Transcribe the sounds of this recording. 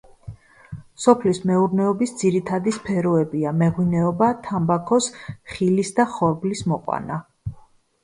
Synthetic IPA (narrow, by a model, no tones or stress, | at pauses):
sɔpʰlismɛuɾnɛɔbisd̪ziɾit̪ʰad̪ispʰɛɾɔɛbiamɛʁwinɛɔbat̪ʰambakʰɔsχilisd̪aχɔɾblismɔqʼwa̰na